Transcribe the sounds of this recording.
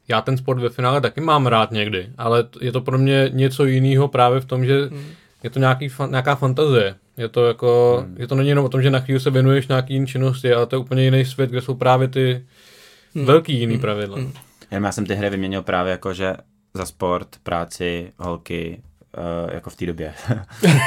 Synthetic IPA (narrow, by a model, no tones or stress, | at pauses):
jaːt̪ɛns̬poɾt̪vɛfɪnaːlɛt̪akɪmaːmɾaːt̪ɲɛɡdɪʔalɛjɛt̪opɾomɲɛɲɛt͡so̞jɪniːɦo̞pɾaːvjɛft̪o̞mʒɛ | jɛt̪oɲaːkiːfɲaːkaːfant̪azɪjɛ | jɛt̪o̞jako̞ʒɛt̪o̞nɛɲɪjɛnomʔot̪omʒɛnaxʋiːlɪs̬ɛvjɛnujɛʃɲaːkiːjɪnit͡ʃɪno̞s̬cɪalɛt̪ojɛuːpəɲɛjɪnɛjs̬vjɛt̪ɡdɛso̞wpɾaːvjɛt̪ɪ | vɛlkiːjɪniːpɾavɪdla | jɛnomjaːsɛmt̪ɪɦɾɪvɪmɲɛɲɪlpɾaːvjɛjakoʒɛ̰ | zaspoɾt̪pɾaːt͡sɪɦolkɪ̰ | ja̰koft̪iːdobjɛ